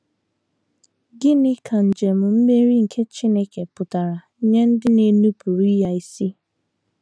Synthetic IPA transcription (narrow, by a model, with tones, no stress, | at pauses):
ɡɪ˦nɪ˦kʰa˨n̩˨d͡ʒe˨m̩˨m̩˦me˦ɾi˦ŋ̩˨kʰe˦t͡ʃi˦ne˦ke˨pʊ˨ta˨ɾa˨˦ɲe˦n̩˦dɪ˦ne˨nu˦pu˨ɾi˦ja˦˨i˦si˦